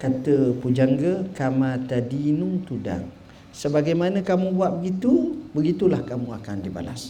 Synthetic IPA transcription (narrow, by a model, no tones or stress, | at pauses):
kat̪əpud͡ʒaŋɡəkamat̪adinuŋt̪uda̰ŋ | səbaɡajmanə̃kamũbuaʔ̚bəɡit̪ubəɡit̪ulahkamũakandiba̰la̰s